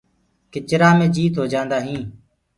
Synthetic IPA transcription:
kɪt͡ʃɾaːmẽːd͡ʒiːt̪ɦoːd͡ʒãːnd̪aːɦĩː

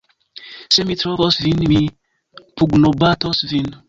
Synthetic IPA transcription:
semit̪ɾɔβɔsvinmi | puɡnobat̪ɔsvin

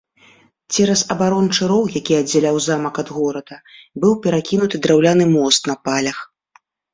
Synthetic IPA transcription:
t͡sʲɛɾɐzɐbaɾɔnt͡ʂɨɾɔwjakʲiɐd͡zʲːɛlʲawzamɐkɐd̪ɣɔɾɐd̪ɐbɨwpʲɛɾakʲinut̪ɨd̪ɾawlʲanɨmɔst̪nɐpalʲɐx

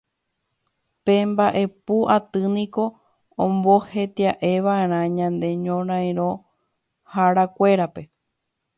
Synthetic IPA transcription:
pe̞mbaʔe̞puʔat̪ɨnĩko̞ | õmbo̞he̞t̪iaʔe̞ʋae̞ɾ̃ãɲãnd̪e̞ɲõɾ̃ãj̃ɾ̃õ̞ | haɾakʷe̞ɾape̞

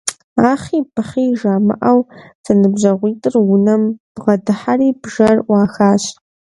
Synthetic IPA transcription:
aːχiːpʰɨχiːʒaːmɨ̰ʔɐwsɐnɨbʑɐʁʷiːtʼɨrwʊnɐmb̥ʁɐdɨħaɾiːbʒɐrʔʷaːxaːɕ

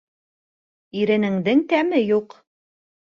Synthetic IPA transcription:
iɾɘ̆nɘ̆ŋd̪ɘŋt̪æmɘjuq

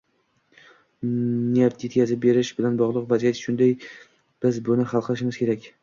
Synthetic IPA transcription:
nejapt̪ʰje̞t̪̚kʲazɪp̚be̞ɾɪʃbɪlanbɒʁlˠɨqvazijat̪ʃʊnd̪aj | b̥ɪzbʊnɪχɑlˠqʰɨlɪʃɪmɪzkʲʰe̞ɾakʲ

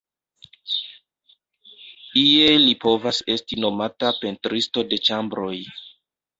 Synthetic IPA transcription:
ielipo̞vase̞stino̞matape̞ntɾisto̞de̞t͡ʃambɾo̞j

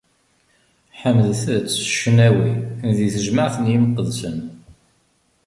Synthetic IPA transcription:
ħəmðθðt͡sːə̥ʃənæwinðiθəʒməʕθənjimqəðsən

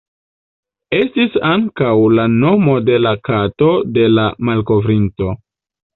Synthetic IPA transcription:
e̞stisaŋkawlano̞mo̞de̞lakato̞de̞lamalko̞vɾinto

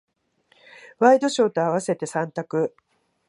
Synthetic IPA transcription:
βaid̪o̞ɕo̞ːt̪o̞aβase̞t̪e̞sãnt̪akɯ̟

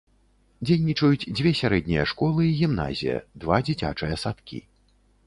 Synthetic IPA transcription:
d͡zʲejnʲit͡ʂɐjut͡sʲd͡zʲvʲɛsʲaɾɛd̪̚ʲnʲijɐ̰ʂkɔlˠɨiɣʲimna̰zʲḭjɐ̰d̪vad͡zʲit͡sʲa̰t͡ʂɨjɐsat̪kʲḭ

